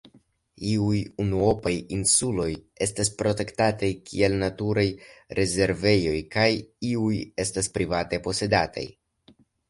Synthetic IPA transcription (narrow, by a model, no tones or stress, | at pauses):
iujunuo̞pajinsulo̞j | e̞staspɾo̞te̞ktatajkʰie̞lnatuɾajɾʔe̞ze̞ɾve̞jo̞jkajiuje̞staspɾivate̞po̞se̞data̰j